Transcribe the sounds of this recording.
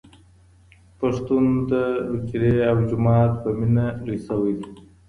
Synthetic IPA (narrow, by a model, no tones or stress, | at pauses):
paʂt̪und̪əɾut͡ʃɾeawd͡ʒʊmɑːt̪̚pəminaɾisawəjd̪i